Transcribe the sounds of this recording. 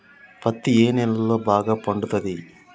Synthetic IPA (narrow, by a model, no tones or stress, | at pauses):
pɐt̪ːieːnɛlːɐbaːɡɐpɐɳɖut̪ːɐd̪i